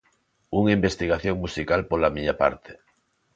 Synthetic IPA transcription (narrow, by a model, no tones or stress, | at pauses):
uŋimbest̪iɣ̞aθjoŋmusikalpolamiɲapa̰ɾt̪ʰe̥